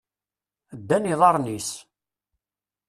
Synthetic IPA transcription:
d̪ːæniðˤɑɾˤnis

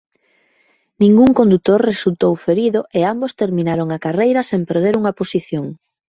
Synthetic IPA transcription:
nĩŋɡuŋkond̪ut̪oɾresult̪owfeɾiðʊʔeambost̪eɾmĩnaɾoŋakarejɾɐsempeɾð̞eɾuŋɐposiθjoŋ

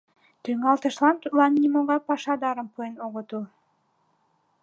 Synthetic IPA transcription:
t̪yŋɑlˠt̪ə̆ʃlˠɑnt̪ulˠɑnːʲimoʁɑpɑʃɑd̪ɑɾəmpʰoenoʁot̪u

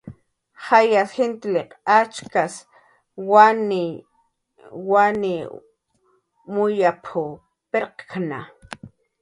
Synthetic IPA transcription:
hajasxent̪ɪleqat͡ʃkas | wanɪ | wanɪ | mʊjapʰʊ | peɾqkʰna̰

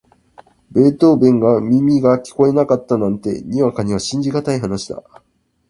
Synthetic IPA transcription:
be̞ːt̪o̞ːbẽ̞ŋɡamʲimʲiɡakʲi̥ko̞e̞nakat̪ːanãnt̪e̞̰ɲ̟iβakaɲ̟iβaɕĩɲ̟d͡ʑiɡat̪aiɦanaɕi̥d̪a̰

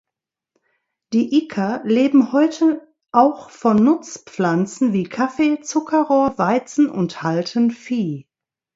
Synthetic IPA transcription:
d̥iːʔɪkʰɐleːbm̩hɔʏtʰə | ʔaʊxfɔnːʊt͡spp͡flant͡sn̩viːkʰafeːt͡sʊkʰɐʁoːɐvaɪt͡sn̩ʊ̰nthaltʰənfiː

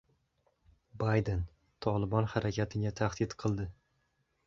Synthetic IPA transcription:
bajd̪en | t̪ʰɒlˠɪbɒnhaɾakʲʰat̪ʰɪɡʲat̪ʰaχd̪ɪt̪qʰɨlˠd̪ɪ

